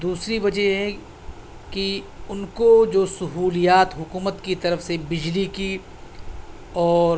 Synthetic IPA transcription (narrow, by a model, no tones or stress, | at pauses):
d̪uːsɾibɐd͡ʒɛɦɛ | kiʊnkod͡ʒoːsɐɦuːlijaːt̪ɦʊkuːmət̪kit̪ɐɾəfsebɪd͡ʒliki | ɔːɾ